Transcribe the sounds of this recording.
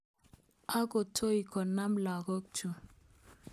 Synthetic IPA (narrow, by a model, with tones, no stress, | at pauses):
a˦ko˨tʰo˦i˨kʰɔ˨na˦mla˨ɡo˦k̚t͡ʃu˨